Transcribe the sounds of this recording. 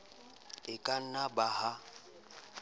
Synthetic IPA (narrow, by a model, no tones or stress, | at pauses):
ɪkʼan̩nabaha